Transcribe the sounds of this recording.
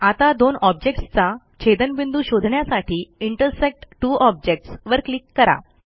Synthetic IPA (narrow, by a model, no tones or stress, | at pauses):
at̪ad̪onɔb̚d͡ʑek̚ʈst͡sa | t͡ɕʰed̪ənbind̪uːɕod̪ʱɳjasaʈʰiːiɳʈəɾsek̚ʈʈuːʔɔb̚d͡ʑek̚ʈsʋəɾklikːəɾa̰